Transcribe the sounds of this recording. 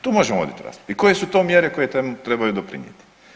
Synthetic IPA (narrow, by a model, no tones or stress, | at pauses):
t̪uːmoʒemoʋo̰d̪it̪uɾa̰sod̪uikoje̞sut̪o̞ːmjeɾeko̞jet̪emut̪ɾebajud̪opɾḭɲjḛt̪i̥